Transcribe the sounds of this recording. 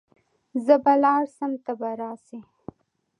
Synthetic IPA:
zəbalɑɾsamt̪abaɾɑsi

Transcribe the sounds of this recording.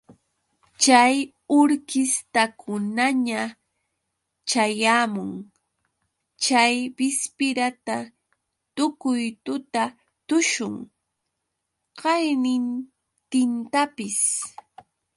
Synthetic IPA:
t͡ʃaj | ʊɾkɪst̪akʰʊnaɲa | t͡ʃajaːmʊŋ | t͡ʃajbɪspɪɾat̪a | t̪ʊkʊjt̪ʊt̪a | t̪ʊʃʊŋ | qɑjnɪn | t̪ɪnt̪apɪs

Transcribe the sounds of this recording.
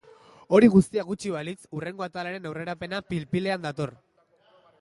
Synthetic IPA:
o̞ɾiɣust̪iaɣut͡ʃiβalit͡sure̞ŋɡo̞at̪alaɾe̞nawre̞ɾape̞napilpile̞and̪at̪o̞r

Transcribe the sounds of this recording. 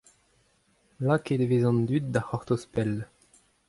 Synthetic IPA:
laked̪evezɑ̃nd̪yt̪̚d̪aχɔʁt̪ospɛl

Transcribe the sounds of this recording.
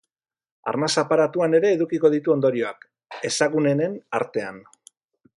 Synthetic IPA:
a̰ɾnasapaɾat̪uane̞ɾe̞ːðukiko̞ð̞it̪uo̞nd̪o̞ɾio̞ak | e̞saɣune̞nena̰ɾt̪e̞an

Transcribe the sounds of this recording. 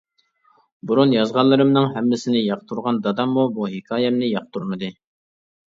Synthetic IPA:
buɾunjɑzʁɑnlˠːɨɾɨmnɨŋɦɛmːɪsɪnɪjɑqt̪ʰuɾʁɑnd̪ɑd̪ɑmːubuɦikʰɑːjɛmnɪjɑq̚t̪ʰuɾmɨd̪ɨ

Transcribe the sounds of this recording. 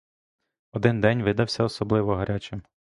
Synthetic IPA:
ɔd̪ɪnd̪ɛnʲʋɪd̪ɐwsʲɐɔsɔblˠɪʋɔɦɐɾʲʔat͡ʃɪm

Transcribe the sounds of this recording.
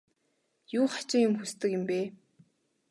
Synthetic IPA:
juːχḁt͡ɕɪ̆ŋjʊmxust̪ɘ̆kjɪ̆mpeː

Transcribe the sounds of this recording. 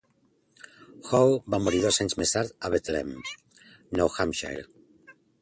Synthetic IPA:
xowbamoɾiðosaɲzmest̪aɾðaβet̪lḛm | nowxamʃa̰jl

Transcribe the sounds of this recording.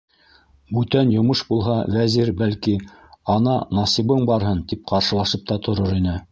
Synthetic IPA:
bʉt̪ænjŏmɤʃbulˠɦɑvæziɾbælki | ɑnɑnɑsiβɤɴbɑɾɦɤnt̪ip̚qɑɾʃɤ̆lˠɑʃɤp̚t̪ɑt̪ʰŏɾoɾinɘ

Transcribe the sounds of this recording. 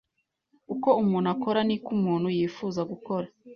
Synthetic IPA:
uko̞umuːnako̞ɾanikumuːn̤̥hujiːfuːzaɡuko̞ɾa

